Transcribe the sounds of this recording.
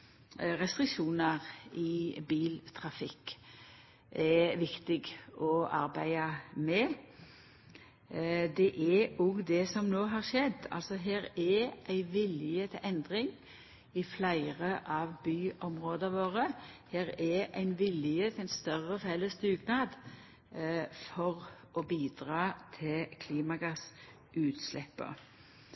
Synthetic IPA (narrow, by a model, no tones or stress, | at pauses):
ʁɛst̪ɾɪkʂuːnəʁɪbiːlt̪ʰʁɑfɪkː | ʔɛʋɪkt̪ɪɡɔɑɾbæɪəmɛ | d̪ɛʔɛɔɡd̪ɛsɔmnoːɦɑɾʃɛd̪ɑ̰lsɔɦeːɾɛʔæɪʋɪlɪət̪ʰɛʔɛnd̪ʁɪŋ | ɪflæɪʁəʔɑʋbyːʔɔmʁoːd̪əʋoːʁəheːɾæʔæ̰ɪnʋɪlɪət̪ʰæɪnst̪œʁəfɛləst̪ʉːɡnɑːd̪ | fɔʁ | ɔbiːd̪ʁɑːt̪ʰɪkʰliːmɑɡɑs | ʔʉːt̪slɛpːə̰